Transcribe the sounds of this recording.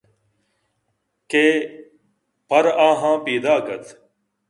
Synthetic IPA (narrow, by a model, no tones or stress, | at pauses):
keː | pəɾãːɦãːpiːd̪aːkət̪